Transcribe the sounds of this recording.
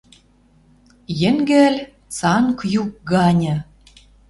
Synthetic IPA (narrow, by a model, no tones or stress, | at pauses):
jɘ̆ŋɡælʲ | t͡sɑŋkjuk̚ɡɑnʲɤ̆